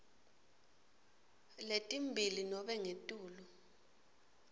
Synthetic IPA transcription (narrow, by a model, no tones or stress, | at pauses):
letʼimbʱilinɔɓɛŋetʼuːlu